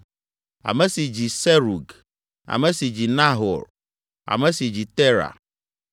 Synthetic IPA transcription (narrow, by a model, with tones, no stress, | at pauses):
a̰˨mɛ̃˦si˨d͡ʑi˨sɛ˦ɾu˨ɡ | a̰˨mɛ̃˦si˨d͡ʑi˨nã˦ɦɔ̰˨ɾ | a̰˨mɛ̃˦si˨d͡ʑi˨t̪ɛ˦ɾa̰˨